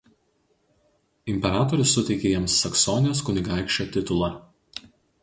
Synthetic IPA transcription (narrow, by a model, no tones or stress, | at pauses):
ɪmʲpʲɛɾɑːt̪ɔɾʲʊsːʊt̪ʲɛɪkʲeːjɛmsːɐksɔnʲɪjʲoːs̬kʊnʲɪɡɑˑɪkʃʲt͡ʃʲoːt̪ʲɪt̪ʊlˠɐ